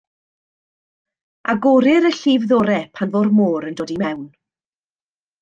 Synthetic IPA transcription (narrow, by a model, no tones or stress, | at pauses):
ʔaɡoɾɪɾəɬiːvðoːɾɛpʰanvoːrmoːɾəndoːdimɛwn